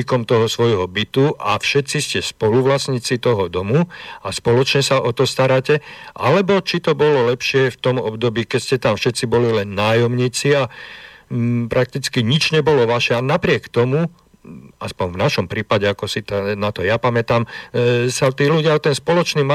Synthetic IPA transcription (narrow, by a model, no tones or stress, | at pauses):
ikɔmt̪ɔɦɔsʋɔjɦɔbit̪uʔafʃɛt̪t͡siscɛspɔluʋlasɲiːt͡sit̪ɔɦɔd̪ɔmuaspɔlɔt͡ʃɲɛsaʔɔt̪ɔst̪aɾacɛʔa̰lɛbɔt͡ʃit̪ɔbɔlɔlɛpʃɪɛft̪ɔmɔbd̪ɔbiːkɛscɛt̪amfʃɛt̪t͡sibɔlilɛnːaːjɔmɲiːt͡sia | pɾʔak̚t̪it͡skiɲid͡ʒɲɛbɔlɔʋaʃɛanapɾɪɛkt̪ɔmu | aspɔɲvnaʃɔmpɾiːpaɟɛakɔsit̪anat̪ɔjapamɛt̪amsat̪iːluɟɪaɔt̪ɛnspɔlɔt͡ʃniːma